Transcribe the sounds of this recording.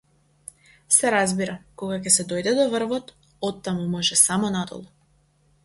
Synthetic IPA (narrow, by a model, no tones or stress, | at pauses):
sɛɾazbiɾakɔɡacɛsɛd̪ɔjd̪ɛd̪ɔvrvɔt̪ | ɔt̪ːamumɔʒɛsamɔnad̪ɔ̰lˠu